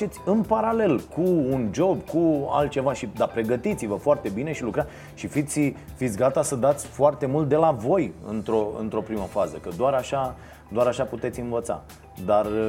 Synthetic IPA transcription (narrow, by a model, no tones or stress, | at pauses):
t͡ʃe̞t̪sʲɨnpaɾale̞lkuːnd͡ʒo̞bkua̰lt̪̚t͡ʃe̞vaʃid̪apɾe̞ɡət̪it̪sivəfoart̪e̞bine̞ʃilukɾa | ʃifit̪sʲ | fit̪sʲɡat̪asəd̪at̪sʲfoart̪e̞mult̪̚d̪e̞lavo̞jɨ̰nt̪ɾo̞ɨ̰nt̪ɾo̞pɾiməfazəkəd̪oaɾaʃa | d̪oaɾaʃaput̪et̪sʲɨnvət̪sa̰ | d̪ar